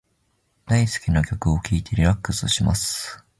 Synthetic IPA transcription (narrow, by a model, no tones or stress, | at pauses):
d̪̥aisɨ̥kʲinakʲo̞kɯ̟o̞kʲiːt̪e̞ɾʲiɾakːɯ̟sɨɕima̰sɨ̥